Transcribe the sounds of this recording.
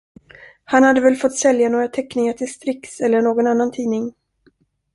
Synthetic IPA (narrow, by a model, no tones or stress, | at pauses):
hanhad̪ːəvɛlfɔt̪ːsɛljanoːɡɾat̪ʰɛknɪŋaʈʰɪlst̪ɾɪksɛlːəɳoːɡɔnanːant̪ʰiːnɪŋ